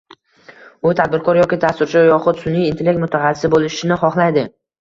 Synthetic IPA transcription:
ʊt̪ʰad̪̚bɪɾkʰɒɾjɒkʲɪd̪ast̪ʊɾt͡ʃʰajɒχʊt̪sʊnːijːnt̪ʰelʲek̚t̪mʊt̪ʰaχɑsːɪ̥sɪbolɪʃɪnɪχɒχlˠajd̪ɪ

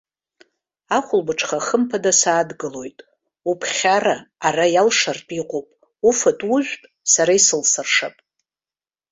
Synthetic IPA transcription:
aχʷʊlbɨʈ͡ʂʰʼχaχəmpʰadasaːdɡɨlo̞jtʼ | upʰχʲaraːrajalʂartʼiqʷʼopʼ | ufatʼuʒᶣʷpʼ | saɾaisɨlsɨrʂapʼ

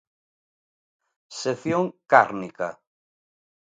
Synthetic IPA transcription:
seθjoŋkaɾnika̰

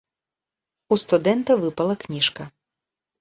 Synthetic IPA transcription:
ust̪ʊd̪ɛnt̪ɐʋɪpɐlˠɐknʲiʃkɐ

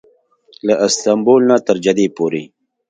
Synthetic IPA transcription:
laʔɪst̪ambolnat̪əɾd͡ʒad̪epoɾe

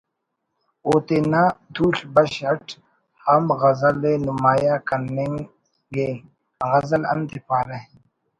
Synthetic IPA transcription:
oːt̪eːnaːd̪ʰuːɬbɐɕɐʈʰ | hɐmɣɐzɐlːenumaːjaːkɐnːeŋ | ɡeː | ɣɐzɐlɐ̰nt̪ipaːle

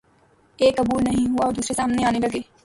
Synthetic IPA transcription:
eːkːɐbuːlnɐɦĩɦʊaɔːɾd̪uːsɾesaːmneaːnelɐɡeː

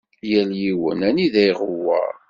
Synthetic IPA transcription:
jæljiwə̰næniðæjʁəwːə̰ɾ

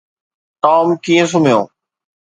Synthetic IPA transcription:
ʈ̪ɔːmkiːẽs̬ʊm̤ijõ̰ː

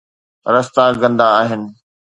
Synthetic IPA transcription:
ɾɐst̪aɡɐ̃nd̪aːɦɪnɪ̆

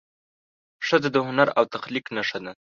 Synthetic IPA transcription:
ʂəzad̪əhʊnaɾawt̪axliknaʂad̪a

